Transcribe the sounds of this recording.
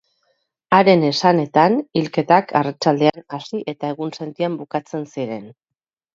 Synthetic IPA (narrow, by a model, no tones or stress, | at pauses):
aɾe̞ne̞sane̞t̪anilke̞t̪akʰarat͡ʃald̪e̞anasiʔe̞t̪ae̞ɣ̞unse̞nt̪iambukat͡se̞nsiɾe̞n